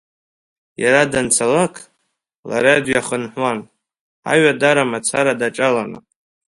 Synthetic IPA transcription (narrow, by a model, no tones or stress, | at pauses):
jaɾadant͡sʰalakʰʼ | la̰ɾadjaχənħʷwan | a̰ɥadaɾamat͡sʰaɾadaʈ͡ʂʼalanɨ̰